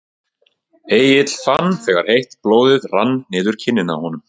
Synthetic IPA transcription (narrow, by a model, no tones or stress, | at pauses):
eːjɪt̪l̥fanθɛːɣaɾ̥hejht̪ploːwðɪðranːɪːðʏɾ̥cʰɪnːɪna̰hɔnʏm